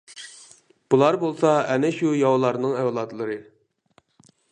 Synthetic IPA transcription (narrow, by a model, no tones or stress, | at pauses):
b̥ulˠɑɾbolˠsɑɛnɛʃujɑwlˠɑɾnɨŋɛwlˠɑt̪lˠɨɾɨ